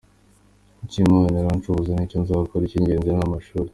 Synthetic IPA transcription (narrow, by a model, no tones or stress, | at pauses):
icimojeneɾant͡ʃuuzaniconzaakoɾiciɲɟe̞ːnzenamaʃuːɾe